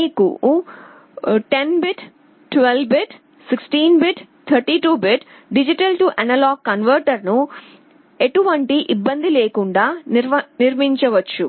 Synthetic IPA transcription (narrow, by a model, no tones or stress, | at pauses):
iːkṵ | ʈe̞nbiʈ | ʈʋelbiʈ | siksʈiːnbiʈ | t̪ʰɐɾʈiːʈuːbiʈ | ɖid͡ʒiʈɐlʈuʔɐnɐlaːɡkɐnʋɐɾʈɐɾnu | eʈuʋɐɳʈiʔibːɐnd̪ileːkuɳɖaːnniɾmiɲt͡ʃɐʋɐt͡ʃːu